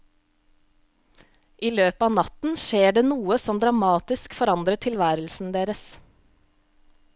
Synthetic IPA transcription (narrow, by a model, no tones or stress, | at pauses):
ʔiːløːpɑːnɑt̪n̩ʃeːɖeːnuːəsɔmd̪ɾɑmɑːt̪ɪskfɔɾɑnd̪ɾət̪ʰɪlʋæːɾəl̩sn̩d̪eːɾəs